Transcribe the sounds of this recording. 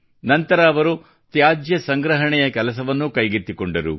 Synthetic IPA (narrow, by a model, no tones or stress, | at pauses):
nɐnt̪ɐɾaːʋɐɾu | t̪jaːd͡ʒjɐsɐŋɡɾɐɦɐɳɛjɐkɛlɐs̬ɐʋɐnːukɐjɡit̪ːikoɳɖɐɾṵ